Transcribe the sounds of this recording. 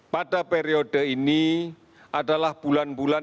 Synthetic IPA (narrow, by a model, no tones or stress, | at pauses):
padapeɾiod̥əini | adalahb̥ulanbula